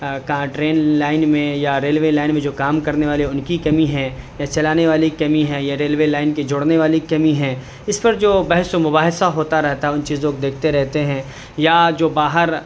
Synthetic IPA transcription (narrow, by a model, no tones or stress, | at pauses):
kaʈɾeːnlaːɪnmẽjaɾeːlʋeːlaːɪnmẽd͡ʒoːkaːmkɐɾneʋaːleʊnkikɐmiɦɛ̃jat͡ʃɐlaːneʋaːlikɐmiɦɛ̃jaɾeːlʋeːlaːɪnked͡ʒʊɽneʋaːlikɐmiɦɛ̃ | ɪspɐɾd͡ʒoːbɐɦsomʊbaːɦɪsaɦoːt̪aɾɛɦt̪aɦɛʊnt͡ʃiːzõkod̪eːkʰt̪eɾɛɦt̪eɦɛ̃ː | jad͡ʒoːbaːɦəɾ